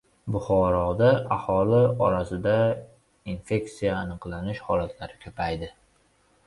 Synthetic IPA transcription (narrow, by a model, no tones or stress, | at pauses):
bʊχɒɾɒd̪aʔahɒlɪɒɾasɪd̪a | infe̞kt̪sijaːnɨqlˠanɪʃhɒlat̪ʰlaɾɪkʲʰopʰajd̪ɪ